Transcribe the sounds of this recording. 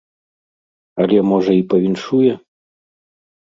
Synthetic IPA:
ɐlʲɛmɔʐɐipɐvʲinʂujɛ

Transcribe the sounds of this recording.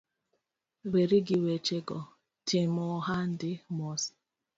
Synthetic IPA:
weɾiɡɪwet͡ʃeɡɔ | tʰɪmɔɦan̩dɪmɔs

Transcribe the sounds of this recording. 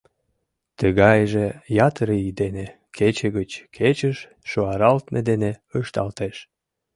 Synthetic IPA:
t̪əɣɑjʒejɑt̪ɾəid̪ene | kʰet͡ɕeɣət͡ɕkʰet͡ɕəʃː | oɑɾɑlt̪med̪eneəʃt̪ɑ̰lt̪eʃ

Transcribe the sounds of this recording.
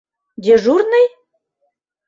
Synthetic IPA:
d̪ʲeʒurnɤj

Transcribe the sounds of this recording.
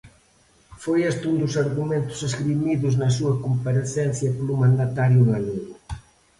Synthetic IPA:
fojɛst̪und̪ʊsaɾɣumẽnt̪ʊ̥seskɾimiðʊznɐs̬uɐkompaɾeθɛnθjɐpolʊmãnd̪at̪aɾjʊɣaluɣʊ

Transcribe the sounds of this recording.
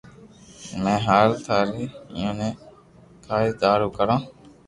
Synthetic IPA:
mẽːɦaːɾt̪ʰaːɾiːjõːnẽː | kʰaːiːd̪aːɾuːkəɾãː

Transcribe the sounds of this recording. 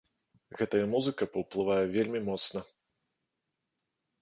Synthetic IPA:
ɣɛt̪ɐjɐmuzɨkɐpɐwplˠɨvajɛvʲelʲmʲimɔt̪snɐ

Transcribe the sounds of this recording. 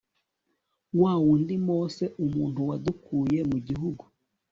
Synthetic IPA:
waːwundimoːse̞ʔumuːntuwadukuːje̞muɟiɦuɡu

